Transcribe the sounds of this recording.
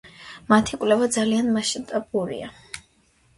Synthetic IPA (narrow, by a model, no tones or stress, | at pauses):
mat̪ʰikʼlɛvad̪zalianmaʃint̪ʼabuɾḭa